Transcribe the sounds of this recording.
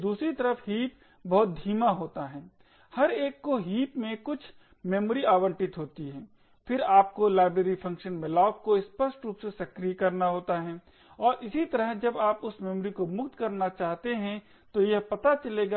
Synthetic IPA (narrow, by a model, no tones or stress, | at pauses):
d̪uːsɾit̪ɐɾəfɦiːp̚ | bɔɦʊt̪̚d̪ʱiːmaɦoːt̪aɦɛː | hɐɾeːkːoɦiːpmẽkʊt͡ʃʰ | mɛːmoːɾiaːwə̃ɳʈɪt̪ɦoːt̪iɦɛ̃ː | fɪɾaːp̚kolaːɪbɾeːɾipʰɐ̃ŋkʃənmɪlaːʊk̚koɪspəsʈɾuːpsesɐkɾijkɐɾnaɦoːt̪aɦɛ̃ː | ɔːɾʔɪsit̪ɐɾəɦd͡ʒɐbaːpʊsmɛːmoːɾikomʊkt̪kɐɾnat͡ʃaːɦt̪eɦɛ̃ | t̪ojɐɦpɐt̪at͡ʃɐleːɡaː